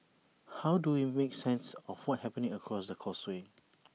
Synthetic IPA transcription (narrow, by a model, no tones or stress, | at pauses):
hawduwimeksɛ̃nsɔfwɔt̚hɛpə̃nĩŋəkʰɹɔsdəkʰɔswe